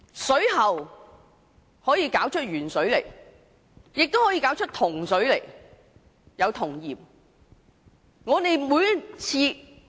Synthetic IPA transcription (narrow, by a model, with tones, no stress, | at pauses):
sɵ˨˥ɥɦɐ˨w | hɔː˨˥jiː˨˧kaː˨˥wt͡ʃʰɵ˥t̚jyː˨˩nsɵ˨˥ɥlḛ˨˩j | jɪ˨k̚t̪o˥whɔː˨˥ji˧kaː˨˥wt͡ʃʰɵ˥t̚t̪ʰʊ˨˩ŋsɵ˨˥ɥlḛ˨˩j | jɐ˨˧wt̪ʰʊ˨˩ŋjiː˨˩p̚ | ŋɔː˨˧t̪e˨jmuː˨˧jɐ˥t͡sʰiː˧